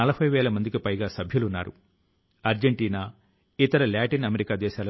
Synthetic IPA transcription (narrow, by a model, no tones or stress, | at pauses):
ɐlɐbʱɐjʋɛːlɐmɐnd̪ikipɐjɡaːsɐbʱjulunːaːɾṵ | ɐɾd͡ʒeɳʈiːnaː | it̪ɐɾɐlaːʈinɐmeɾikaːd̪ɛːʃaːlɐ